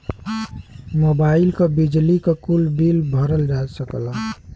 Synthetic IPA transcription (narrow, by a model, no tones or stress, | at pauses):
mobaːɪlkabid͡ʒlikakulbilbʱəɾəld͡ʒasəkla